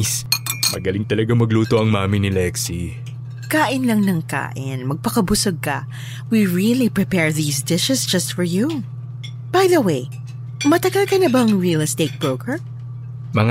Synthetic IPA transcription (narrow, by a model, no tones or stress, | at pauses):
smɐ̰ɡɐlɪŋt̪ɐlɐɡamɐɡluːt̪oʔɐŋmaːmɪnɪlɛksi | kaːʔɪnlɐŋnɐŋka̰ːʔɪnmɐɡ̚pɐkɐbʊsoɡ̚kɐ | wiɹilipɹɪpɛɹðiːsd̪ɪʃɛsd͡ʒɐst̪fɔɹju | b̥ajðɐwe | mɐt̪ɐɡalkɐnɐbɐɐŋɹilst̪ejt̪̚b̥ɹokɛɹ | mɐŋ